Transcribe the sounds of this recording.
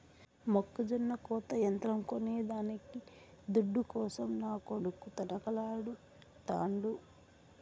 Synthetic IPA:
mokːɐd͡ʒɐnːɐkɔːt̪ɐjɐnt̪ɾɐmkoneːd̪aːniki | d̪uɖːukɔːsɐmnaːkoɽukːut̪ɐnɐkɐlaːɽu | t̪a̰ːɳɖu

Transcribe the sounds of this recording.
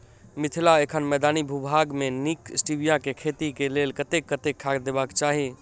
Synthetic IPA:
mit̪ʰilaekʰənmɛd̪anibʱubʱaɡmeniksʈibijakekʰet̪ikelelkət̪ekːət̪ekʰːaɾd̪ebakt͡ʃaɦi

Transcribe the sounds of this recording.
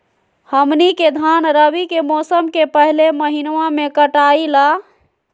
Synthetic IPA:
həmniked̪ʱanɾəbikemɔsəmkepəɦileməɦinwamekəʈaila

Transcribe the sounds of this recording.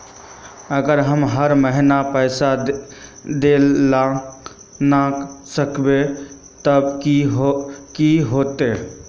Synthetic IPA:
əɡəɾɦəmɦəɾməɦinapəɪsa | d̪elːa | naksəkbe | t̪əbkiɦkiɦot̪e

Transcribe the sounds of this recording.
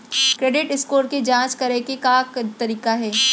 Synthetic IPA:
kɾɛːɖɪʈɪskoːɾked͡ʒãːt͡ʃkɐɾekekaːkt̪ɐɾiːkaɦɛː

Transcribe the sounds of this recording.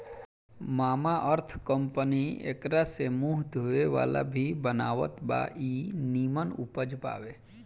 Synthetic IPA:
maːmaʔəɾt̪ʰkəmpəniḛːkɾasemuːɦd̪ʱoːeʋa̰ːla̰bʱibənaːʋə̰t̪ba̰ʔiːniːmənṵpəd͡ʒpa̰ːʋe

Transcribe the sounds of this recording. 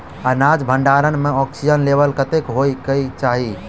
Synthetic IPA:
ənad͡ʒbʱəɳɖaɾənmẽɔksid͡ʒənlebəlkət̪ekɦoikəit͡ʃaɦi

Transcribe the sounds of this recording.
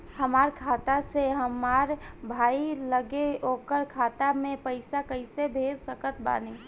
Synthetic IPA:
həmaːɾkʰaːt̪aseɦəmaːɾbʱaːiləɡeokəɾkʰaːt̪amẽpəɪsakəɪsebʱeːdsəkət̪ba̰ːni

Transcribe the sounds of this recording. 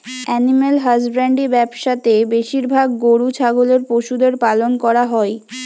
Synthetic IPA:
ɛnimelɦad͡ʑbɾaɳɖibɛbʃat̪ebeʃiɾbʱaɡːoɽut͡ɕʰaɡoleɾpoʃud̪eɾpalonkɔɾaɦɔe

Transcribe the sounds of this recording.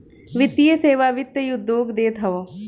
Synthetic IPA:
ʋɪt̪ːieseːʋaːʋɪt̪ːəʊd̪ːoːɡd̪eːt̪ʰɦɐoː

